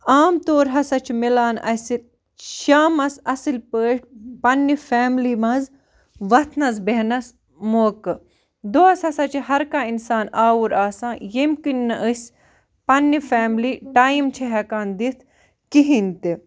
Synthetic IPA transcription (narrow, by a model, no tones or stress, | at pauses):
aːmt̪oːɾɦɐsɐt͡ʃʰmilaːnɐ̰si | ʃaːmɐsɐsilpəːʈ̚pɐnːifaːmliːmɐz | ʋɐt̪ʰnɐzbeɦnɐs | moːkɨ | d̪oɐsɐsɐt͡ʃʰiɦɐɾkainsaːnaːwuɾaːsãːjemkinːɨʔəsʲ | pɐnːifaːmliːʈaːimt͡ʃʰeɦɛkaːnd̪it̪ʰ | kiɦint̪i